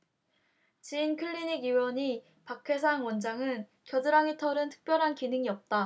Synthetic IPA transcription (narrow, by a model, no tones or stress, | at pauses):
t͡ɕinkʰɯɭːiɲiɡiwʌɲi | pakʰe̞sʰaŋwʌnd͡ʑaŋɯn | kjʌdɯɾaŋitʰʌɾɯntʰɯ̥k̚p͈jʌɾɦankinɯŋiʌp̚t͈a